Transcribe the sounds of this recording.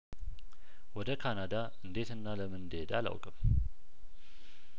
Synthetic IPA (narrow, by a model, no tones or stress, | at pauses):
wɔd̪əkʰanad̪a | ɨnd̪e̞t̪ɨnːaləmɨnd̪e̞d̪a̰la̰wkʼɨm